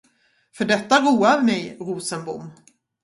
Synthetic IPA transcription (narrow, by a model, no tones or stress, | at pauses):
fœɖɛt̪ːaɾuːaɾmɛjɾuːsənbʊ̰mː